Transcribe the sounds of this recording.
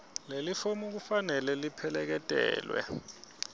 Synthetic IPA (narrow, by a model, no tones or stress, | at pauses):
lelifomuk̬ufanɛlɛlipʰɛlɛk̬ɛtʼɛ̰ːlwɛ̰